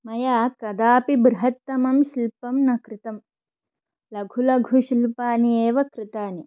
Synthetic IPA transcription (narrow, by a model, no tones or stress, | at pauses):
mɐjaːkɐd̪aːpibɾɦɐt̪ːɐmɐmʃilpɐmnɐkɾɪt̪ɐm | lɐɡʱulɐɡʱuʃilpaːnieːʋɐkɾɪt̪aːni